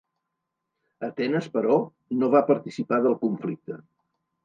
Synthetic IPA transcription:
ət̪ɛnəspəɾɔ | noβapəɾt̪isipaðəlˠkuɱflik̚t̪ə

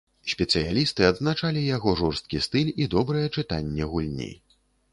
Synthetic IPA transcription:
sʲpʲɛtsɨjalʲist̪ɨad̪znat͡ʂalʲijaɣɔʐɔrst̪̚kʲist̪ɨlʲid̪ɔbɾɐjɛt͡ʂɨt̪anʲːɛɣulʲnʲḭ

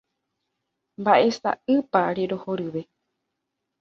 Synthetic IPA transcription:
mbaʔe̞sa̰ɨpaɾe̞ɾo̞hoɾɨʋe̞

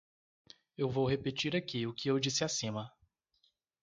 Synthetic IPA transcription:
ewvowhepet͡ʃiɾakiʊkɪewd͡ʒisɪasĩmɐ

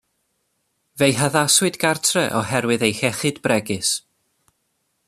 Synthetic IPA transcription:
vejɦaðaswɨdɡartʰrɛʔɔhɛɾwɨðejxɛχɨdbrɛɡɨs

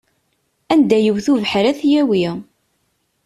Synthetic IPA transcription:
ænd̪æjəwθuvəħɾæθjæwi

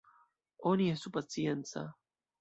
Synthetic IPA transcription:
oniesupat͡sjensa̰

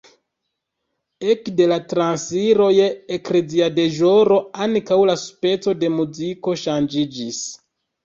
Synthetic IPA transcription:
e̞kde̞latɾansiɾo̞jeekɾeziade̞ʒo̞ɾo̞aŋkawlaspe̞t͡so̞de̞muziko̞ʃand͡ʒid͡ʒis

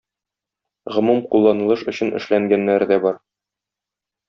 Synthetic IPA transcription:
ʁŏmumqulˠːɑnɤ̆lˠɤʃɵ̆ɕɘ̆nɘ̰̆ʃlæŋɡænːæɾd̪æbɒɾ

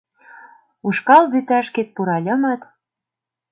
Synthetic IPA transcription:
uʃkɑlβyt̪æʃket̪̚puɾɑlʲɤ̆mɑt̪

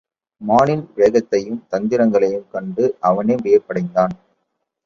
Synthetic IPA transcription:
maːnɪnʋeːɣɐt̪ːɐjɯmt̪ɐnd̪ɪɾɐŋɡɐɭɐjɯmkɐɳɖɯʔɐʋɐneːmʋɪjɐpːɐɽɐɪnd̪aːn

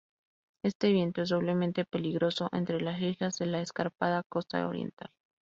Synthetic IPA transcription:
e̞st̪e̞βje̞nt̪o̞e̞z̬ðo̞βle̞mẽnt̪e̞pe̞liɣɾo̞so̞ʔe̞̰nt̪ɾe̞lasixazðe̞laeskaɾpað̞ako̞st̪a̰o̰ɾjḛnt̪al

